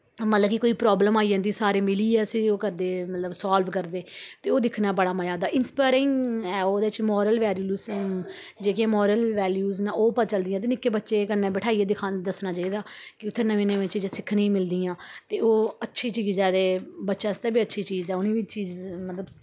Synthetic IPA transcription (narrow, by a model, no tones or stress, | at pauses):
mət̪ləbkikoːiːpɾɔːbləmaːid͡ʒãːnd̪iːsaːɾiːmɪliːɛːsioːkəɾd̪eːmət̪ləbsaːlʋkəɾd̪eːt̪eːoːd̪ɪkʰnãːbəɽaːmaːjaːd̪aːʔɪnspaːɾɪ̃ŋɛːoːd̪eːɪt͡ʃmɔːɾəlʋɛːljuːs | d͡ʒeːkijãːmɔːɾəlʋɛːljuːznãːʔoːpət͡ʃəld̪ɪjãːt̪eːnɪkːeːbətːʃeːkənːẽːbəʈʰaːieːd̪ɪkʰad̪əsnãːt͡ʃaːiːd̪aːkɪʊt̪ʰːeːnəʋĩːnẽːʋɪt͡ʃːd͡ʒsɪkʰɽĩːmɪld̪iːãːt̪eːoːətːʃʰiːt͡ʃiːzɛːd̪eːbətːʃaːɪst̪ɛːbiːətːʃʰiːt͡ʃiːzɛːʊnĩːʋiːt͡ʃiːzmət̪ləb